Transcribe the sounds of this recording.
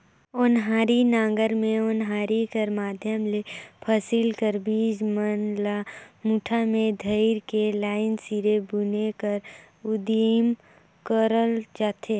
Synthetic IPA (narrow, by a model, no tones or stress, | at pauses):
ʊnɦaːɾinãːɡəɾmẽʊnɦaːɾikəɾmaːd̪ʱjəmlepʰəsilkəɾbiːd͡ʒmənlamuːʈʰamẽd̪ʱəɪɾkelaːɪnsiɾebunekəɾ | ʊd̪im | kəɾəld͡ʒaːt̪ʰeː